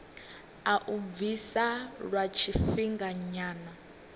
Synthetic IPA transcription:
aʔuvisaɺwat͡ʃʰifiŋɡaɲaːna

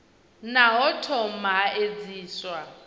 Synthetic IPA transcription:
naɦɔtʰɔm̩maed͡ziːswa

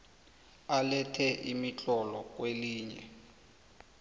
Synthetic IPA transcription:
alɛtʰɛʔimit͡ɬʼɔlɔk̬ʼweliːɲɛ̰

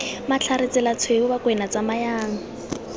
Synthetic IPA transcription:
mat͡ɬʰaɾɪt͡sɪlat͡sʰweʊbakʼwɛnat͡samajaːŋ̩

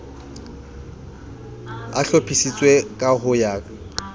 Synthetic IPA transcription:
aɬopʰisit͡sʼwekʼaɦʊjaːkʼ

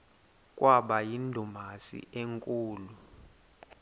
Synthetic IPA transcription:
kʼwaɓajindʱumasḭeŋkʼuːlu

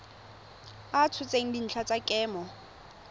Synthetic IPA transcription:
at͡sʰʊt͡sʼeŋ̩din̩t͡ɬʰat͡sʼakʼɛːmɔ

